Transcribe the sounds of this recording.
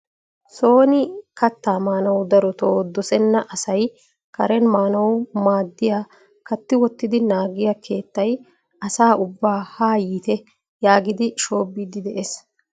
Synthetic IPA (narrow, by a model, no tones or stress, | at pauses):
soːnɪkɐt̪ːaːmaːnɐwd̪ɐɾɔt̪oːd̪ɔsɛnːɐʔɐsɐj | kɐɾɛnmaːnɐwmaːd̪ːɪjaː | kɐt̪ːɪwɔt̪ːɪd̪ɪnaːɡɪjakʰe̞ːt̪ːɐj | ɐsaːʔʊbːaːhaːjiːt̪ɛ | jaːɡɪd̪ɪʃoːbːiːd̪ɪd̪ɛʔes